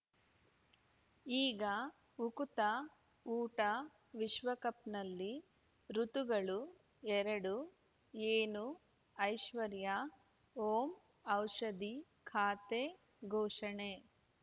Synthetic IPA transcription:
iːɡɐ | ukut̪ɐ | uːʈɐ | ʋiʃʋɐkɐp̚nɐlːi | ɾut̪uɡɐɭu | ɛɾɐɽu | eːnu | ɐjʃʋɐɾjɐ | oːm | ɐwʃɐd̪i | kʰaːt̪e | ɡʱɔːʂɐɳe

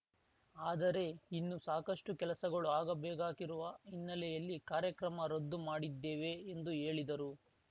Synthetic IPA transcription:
aːd̪ɐɾe̞inːusaːkɐʂʈukɛlɐsɐɡɐɭuaːɡɐbɛːɡaːkiɾuʋɐinːɐlɛjɐlːikaːɾjɐkɾɐmɐɾod̪ːumaːɽid̪ːeːʋe̞ːnd̪ue̞ːɭid̪ɐɾu

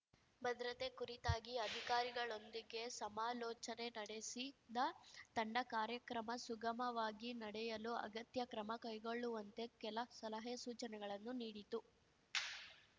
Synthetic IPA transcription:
bɐd̪ɾɐt̪e̞kuɾit̪aːɡiɐd̪ʱikaːɾiɡɐɭo̞nd̪iɡe̞sɐmaːlɔːt͡ʃɐne̞nɐɽesid̪ɐt̪ɐɳɖɐkaːɾjɐkɾɐmɐsuɡɐmɐʋaːɡinɐɽɛjɐluɐ̰ɡɐt̪jɐkɾɐmɐkɐjɡo̞ɭːuʋɐnt̪e̞kɛlɐsɐlɐɦɐjɐsuːt͡ʃɐnɛɡɐɭɐnːuniːɽit̪u

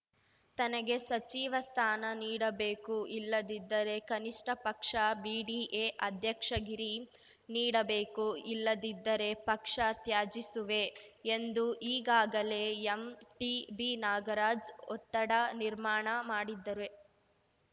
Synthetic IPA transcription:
t̪ɐnɐɡe̞sɐt͡ʃiːʋɐst̪ʰaːnɐniːɽɐbeːkuʔilːɐd̪id̪ːɐɾe̞kɐniʂʈʰɐpɐkʂɐbiːɽiːʔeːʔɐd̪ʱjɐkʂɐɡiɾi | niːɽɐbeːkuilːɐd̪id̪ːɐɾe̞pɐkʂɐt̪jaːd͡ʒisuʋe̞end̪uʔiːɡaːɡɐle̞emʈibinaːɡɐɾaːd͡ʒɔ̰t̪ːɐɽɐniɾmaːɳɐmaːɽid̪ːɐɾe

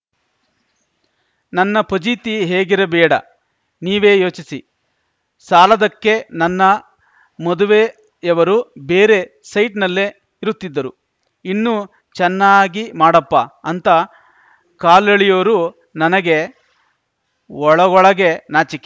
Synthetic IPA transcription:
nɐnːɐpod͡ʒiːt̪iɦe̞ːɡiɾɐbɛːɽɐ̰ | niːʋe̞ːjo̞ːt͡ʃisi | saːlɐd̪ɐkːe̞nɐnːɐ | mɔd̪uʋe̞ | ɛʋɐɾubeːɾe̞ | sɐjʈnɐlːe̞ | iɾut̪ːid̪ːɐɾu | inːu | t͡ʃɛnːaːɡimaːɽɐpːɐɐnt̪ɐ | kaːlɐɭijoːɾu | nɐnɐɡe̞ | ɔɭɐɡɔɭɐɡe̞naːt͡ʃikːe

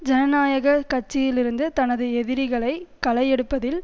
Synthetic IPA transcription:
d͡ʒɛnɐnaːjɐɣɐkɐʈ̚t͡ʃːɪjɪlɪɾɯnd̪ɯt̪ɐnɐðɯɛðɪɾɪɣɐɭɐɪkɐlɐjɛɽɯpːɐðɪl

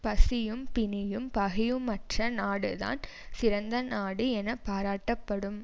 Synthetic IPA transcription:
pɐsɪjɯmpɪnɪjɯmpɐɣɪjɯmːɐʈrɐnaːɽɯða̰ːn | sɪɾɐnd̪ɐnaːɽɯɛnɐpːaːɾaːʈːɐpːɐɽɯm

